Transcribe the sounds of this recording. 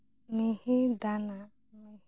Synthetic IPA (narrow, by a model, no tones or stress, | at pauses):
mĩhid̪ana | mi